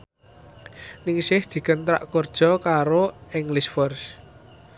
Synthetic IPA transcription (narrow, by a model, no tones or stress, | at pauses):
nɪŋsɪhd̪̥i̤kənt̪ɾa̰ʔkord̥ʒ̥ɔ̤kaɾoɪŋlisfɔrs